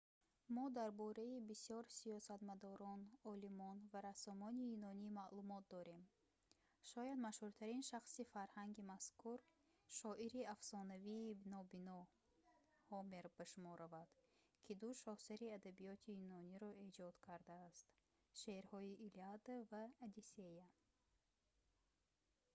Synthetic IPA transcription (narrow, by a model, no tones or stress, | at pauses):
mɔd̪aɾbɔɾaibisjɔɾsiɔsat̪mad̪ɔɾɔnɔlimɔnvaɾasɔmɔniinɔnimalumɔt̪̚d̪ɔɾe̞m | ʃɔjad̪maʃhuɾt̪ʰaɾinʃaχsifaɾhaŋɡimaskuɾ | ʃɔʔiɾiafsɔnaviːnɔbinɔ | hɔmeɾbaʃumɔɾavad̪̥ | kʰid̪uʃɔhsaɾiad̪abijɔt̪ʰiinɔniɾɔe̞d͡ʒɔd̪kʰaɾd̪aːst̪ | ʃeɾhɔiʔːliad̪avaːd̪iseja